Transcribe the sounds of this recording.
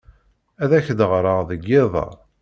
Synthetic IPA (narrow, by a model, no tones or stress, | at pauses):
æðæçd̪əʁɾˤɑðəɡːɪðˤɑ̰